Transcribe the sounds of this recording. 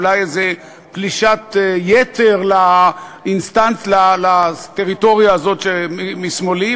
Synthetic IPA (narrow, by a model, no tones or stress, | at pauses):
lajeze | pliʃat̪jet̪eʁlainst̪ant͡slalat̪eʁit̪o̞ʁijaːzo̞t̪ʃemmismoli